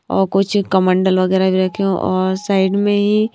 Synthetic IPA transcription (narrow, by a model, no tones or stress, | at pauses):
ɔ̰ːɾkʊt͡ʃʰkəmə̃ɳɖəlʋəɣɛːɾabʱiɾɐkʰeõʔɔːɾsaːɪɖmẽɦi